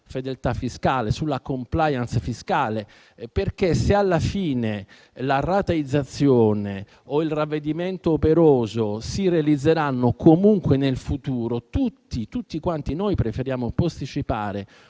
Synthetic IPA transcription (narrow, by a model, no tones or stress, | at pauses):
fed̪elt̪afːiskaːlesulːakomplajant̪sfiskaːle | perk̟esealːafiːne | larat̪aid̪zːat̪sːjoːne | oilravːed̪iment̪oːpeɾoːzosirealid̪zːeɾanːokʰomuŋkwenelfut̪uːɾot̪ut̪ːit̪ut̪ːikwant̪inojpɾefeɾjaːmopost̪it͡ʃipaːɾe